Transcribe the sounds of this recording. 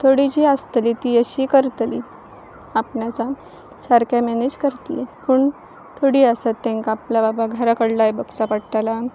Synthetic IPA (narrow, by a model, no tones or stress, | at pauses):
t̪ʰoɽid͡ʑiːast̪liːt̪iəɕiːkəɾt̪li | apɳjat͡sa | səɾkjamɛned͡ʑkəɾt̪ipuːɳ | t̪ʰoɽiːəsat̪ːẽŋkaaplababaɡʱəɾakəɽlajbəɡt͡sapəɽʈ̪ala